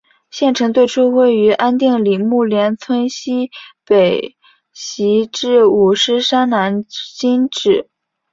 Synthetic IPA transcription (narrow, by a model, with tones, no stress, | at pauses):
ɕjɛ˥˩nʈ͡ʂʰɤ˧˥ŋt̪we˥˩ɪʈ͡ʂʰu˥we˥˩ɪy˧˥ʔa˥nt̪i˥˩ŋli˨˩mu˥˩ljɛ˧˥nt͡sʰwə˥nɕi˥pe˨˩ɪ | ɕi˧˥ʈ͡ʂɻ̩˥˩u˨˩ʂɻ̩˥ʂa˥nna˧˥nt͡ɕi˥nʈ͡ʂɻ̩˨˩˦